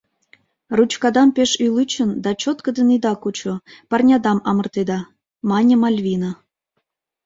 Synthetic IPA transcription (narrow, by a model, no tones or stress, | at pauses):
rut͡ɕkɑd̪ɑmpeʃyjlɨt͡ɕənd̪ɑt͡ɕot̪kə̆d̪ə̆nid̪ɑkut͡ɕopɑrnʲɑd̪ɑmɑmɤ̆rt̪ed̪ɑ | mɑnʲɤ̆mɑlʲβʲinɑ